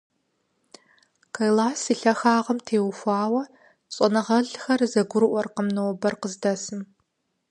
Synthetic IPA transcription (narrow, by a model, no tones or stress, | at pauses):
kʰɐjlaːsiːɬɐxaːʁɐmtʰeːwxʷaːwɐ | ɕʼɔnɐʁɐɮxɐrzɐɡʷʊɾɨʔʷɔrqəmnowbɐrqəzdɐsɨm